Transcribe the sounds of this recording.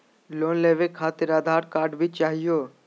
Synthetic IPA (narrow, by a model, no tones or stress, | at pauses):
loːnleːʋekʰːaːt̪ɪɾaːd̪ʱaːɾkaːɾɖbʱit͡ʃaːɦijoː